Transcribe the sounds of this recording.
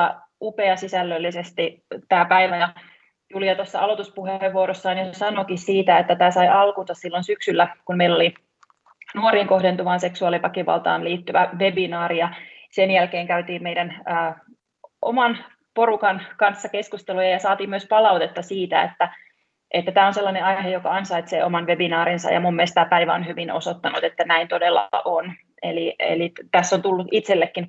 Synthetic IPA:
ɑ | upeɑsisælːølːisest̪i | t̪æːpæiʋæjɑ | julijɑt̪osːɑɑlo̞t̪uspuheeʋːuoɾosːɑːnjosesɑnokissiːt̪æet̪ːæt̪æːsɑjʔɑlkunsɑssilːonsyksylːækummeilːo̞li | nuoɾiːŋko̞hdent̪uʋɑːnse̞ksuɑlipɑkiʋɑ̰lt̪ɑ̰ːnliːt̪ːyʋæʋe̞binɑːɾijɑsenjælkeːŋkæyt̪iːmmeidænəː | ʔomɑn | porukɑnkɑnsːɑke̞skust̪elujɑjɑsɑːt̪iːmyøspɑlɑut̪et̪ːɑsiːt̪æḛt̪ːæ | ʔet̪ːæt̪æːonselːɑneɑjhejokɑɑnsɑit̪seːomɑnʋe̞binɑːɾinsɑ̰jɑ̰mummelst̪æːpæiʋæonhyʋinosot̪ːɑnut̪et̪ːænæint̪odelːɑ̰ʔon | ḛliḛlit̪æsːont̪ulːuʔit̪selːekːin

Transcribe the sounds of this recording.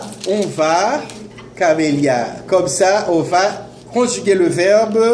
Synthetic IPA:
ɔ̃va | kaʁeljakɔmsaʔɔ̃va | kɔ̃ʒyɡeləvɛʁb

